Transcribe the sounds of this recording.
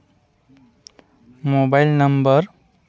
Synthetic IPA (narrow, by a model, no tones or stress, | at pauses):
mobajlnʌmbʌɾ